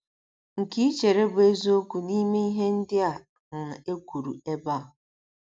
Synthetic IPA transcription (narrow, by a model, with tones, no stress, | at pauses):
ŋ̩˨ki˦t͡ʃe˨ɾe˦bʊ˨e˦zo˦kʷu˨ni˦me˦i˦ɦe˦n̩˦dɪ˦a˨ | nʊ˨na˨e˦kʷu˨ɾṵ˨e˦ba˦˨